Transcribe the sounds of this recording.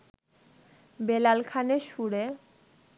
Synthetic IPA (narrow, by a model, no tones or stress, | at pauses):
belalkʰaneʃuɽe